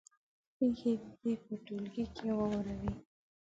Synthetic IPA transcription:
pexeepəʈulɡikʰewawɾawi

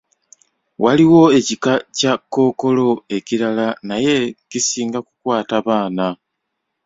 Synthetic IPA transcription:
waliwo̞e̞cikacakːo̞ːko̞lo̞e̞ciɾalanaje̞cisiːŋɡakukwaːtaβaːna

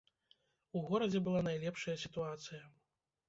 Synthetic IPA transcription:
uɣɔɾɐd͡zʲɛbɨlˠanajlʲɛpʂɐjɐsʲit̪uat̪sɨjɐ

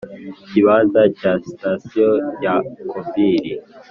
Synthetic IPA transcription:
ciβazacasi̥tasijojakʰobiɾi

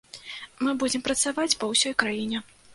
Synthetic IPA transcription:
mɨbud͡zʲɛmpɾɐt̪savat͡sʲpɐwsʲɔjkɾajinʲɛ

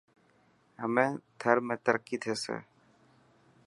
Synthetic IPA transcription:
ɦəmẽːt̪ʰəɾmẽːt̪əɾəkːit̪ʰeːsḛː

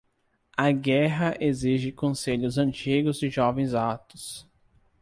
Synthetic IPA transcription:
ɐɡɛɦɐʔeziʒɪkõseʎʊzɐ̃nt͡ʃiɡʊzd͡ʒɪʒɔvẽj̃zat̪ʊ̥s

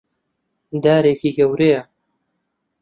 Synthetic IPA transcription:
d̪aːɾeːkiːɡɐwɾejɐ

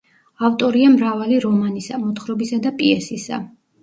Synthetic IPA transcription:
avt̪ʼɔɾiamɾavaliɾɔmanisamɔt̪χɾɔbisad̪apʼiɛsisa̰

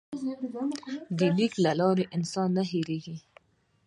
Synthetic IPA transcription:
d̪iliklalɑːɾeʔɪnsɑːnːaɦiɾeɡi

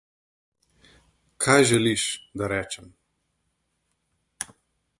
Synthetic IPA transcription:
kʰajʒɛliʃd̪aɾɛːt͡ʃɛm

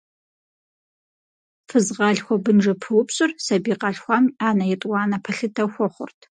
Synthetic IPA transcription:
fɨzʁɑɮxʷɔbɨnʐɐpʰɨwʊpɕʼɨrsɐbiːqɐɬxʷamaːnɐjɛtʼwɑːnɐpʰɐɬɨtʰɐxʷɔχʷʊ̰rtʰ

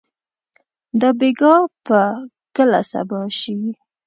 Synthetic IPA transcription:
d̪əbeɡɑpə | kəla̰sa̰bɑʃi

